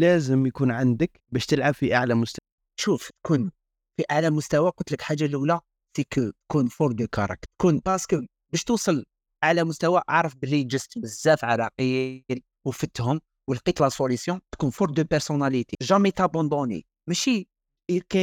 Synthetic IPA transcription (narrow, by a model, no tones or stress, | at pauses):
læzəmjkunʕand̪ək | bæʃt̪əlʕabfiʔaʕlæmʊst̪æwæ | ʃuft̪kʰun | fiʔaʕlæmʊst̪æwækʊt̪ləkħaʒːalulæ | sikt̪kunfuɾˤd̪əkɑɾˤɑ̰k̚t̪kunbɑɾsə̥kə | bæʃt̪usˤəl | ʔaʕlæmʊst̪æwæʔaʕɾˤəfbəlːiʒəst̪əzːæfʕɑɾˤɑqəl | wfət̪hʊm | wəlqit̪lɑsolisjɔ̃t̪kunfuɾˤd̪əpəɾsonælit̪eʒæmæt̪abɑ̃nd̪ˤonḭ | mæʃi | kæ